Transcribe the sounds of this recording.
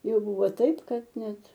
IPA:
ˈjɛʊ ˈbuːʋoː ˈtɐɪp ˈkɐt ˈnʲɛt

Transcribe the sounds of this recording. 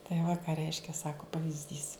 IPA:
tɐɪ ʋɐ kɐ ˈrʲɛɪʃʲkʲɛ ˈsɑːkoː pɐʋʲiːzʲˈdʲiːs

